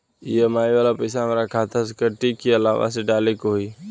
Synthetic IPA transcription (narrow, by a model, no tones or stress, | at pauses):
ijemaːiʋaːlapəɪsaɦmeɾakʰaːt̪ʰaskəʈikːiɐla̰ːʋa̰seɖaːlekooi